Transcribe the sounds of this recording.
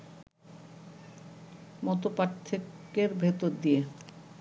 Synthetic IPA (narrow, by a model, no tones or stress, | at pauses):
mɔt̪opaɾt̪ʰːekeɾbʱet̪oɾd̪ie